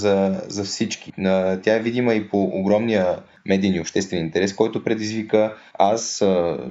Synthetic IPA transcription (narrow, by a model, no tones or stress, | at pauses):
zɐzɐfsit͡ʃkiət̪ʲjaɛvid̪iməipoʔːɡɾɔmnijə | mɛd̪iniopʃt̪ɛst̪vɛnint̪ɛɾɛskɔjt̪opɾɛd̪izvikə | as